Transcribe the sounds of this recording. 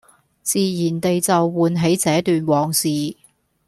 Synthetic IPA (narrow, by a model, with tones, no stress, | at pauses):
t͡siː˨˧jiː˨˩nt̪e˨jt͡sɐ˨wːuː˨nɦe˨˥jt͡sɛː˨˥t̪yː˨nwɔː˨˩ŋsiː˨